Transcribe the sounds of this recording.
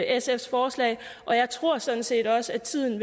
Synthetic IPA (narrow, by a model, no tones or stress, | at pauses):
esefsfɒːslɛ̰ɪ | ʔɒ̽jɑ̈ɪt͡sʰʁo̝ɐ̰sɒ̽n̩se̝̰ːd̥ɒ̽səæt͡sʰið̰ˠn̩ʋe